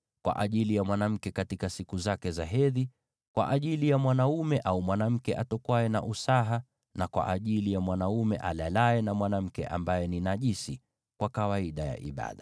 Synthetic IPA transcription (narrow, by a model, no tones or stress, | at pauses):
kwʔa̰ʔaʄilijamwanam̩kɛkatikasikuzakɛzaɦɛði | kwa̰ʔaʄilijamwanaumɛʔaumwanam̩kɛʔatɔkwaɛna̰ʔusaɦa | nakwa̰ʔaʄilijamwanaumɛ̰ʔalalaɛnamwanam̩kɛ̰ʔa̰mbajɛninaʄisi | kwakawaiɗaja̰ʔḭɓa̰ɗa